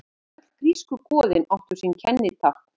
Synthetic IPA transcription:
ɛt̪lkɾiːskʏkɔːðɪnɔht̪ʏɾ̥sincʰɛnːɪt̪ʰahk

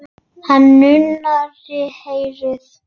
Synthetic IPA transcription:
hanːʏnaɾɪhejɾɪθ

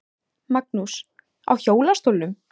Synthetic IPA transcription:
mak̚nus | a̰wçoːwlast̪oːwlːʏm

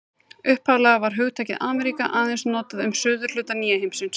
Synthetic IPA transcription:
ʏhphawlɛɣavaɾ̥ɦœɣt̪ʰajcɪðʔaːmɛɾikaʔaːðɛnsnɔːt̪aðʏmsʏːðʏɾ̥l̥ʏːt̪aniːɛɦejmsɪns

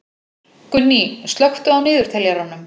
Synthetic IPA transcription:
kʏnːist̪lœxt̪ʏawnɪːðʏɾ̥t̪ʰɛljaɾanʏm

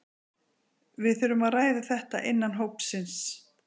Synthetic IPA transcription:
vɪðθʏɾʏmaðraːjðaθɛht̪a̰ʔɪnːanɦowpsɪns

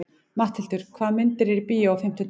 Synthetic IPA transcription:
maht̪ʰɪlt̪ʏɾ̥kʰvaːðmɪnt̪ɪɾiɾpiːjɪɔfɪm̥t̪ʏ

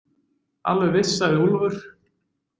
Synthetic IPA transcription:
a̰lvʏvɪsːaðɪulvʏɾ̥

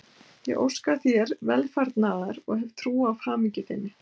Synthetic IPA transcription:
jɛ̰ɣʔo̰wskaθjɛɾvɛlfaɾt̪naːðaɾɔɣɦɛvt̪ʰɾuːafhaːmiɲcɪθɪnːɪ

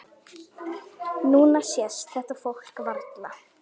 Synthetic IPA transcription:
nuːnasjɛsθɛht̪afowl̥kvaɾt̪la

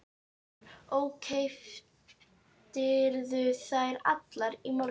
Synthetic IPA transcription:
oːwkʰejf | t̪ɪɾðʏθajɾa̰t̪laɾimo

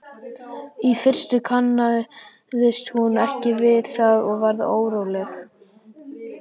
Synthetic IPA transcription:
ifɪr̥st̪ʏkʰanːaðʏ | ðɪst̪hunɛhcɪvɪðθaðɔɣvaɾðo̰ːwɾowlɛx

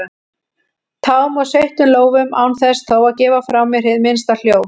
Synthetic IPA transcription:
t̪ʰaːwmɔðsejht̪ʏmloːwvʏmaːwnθɛst̪ʰowaðcɛːvafɾawmːɛɾ̥hɪðmɪnst̪al̥joːw

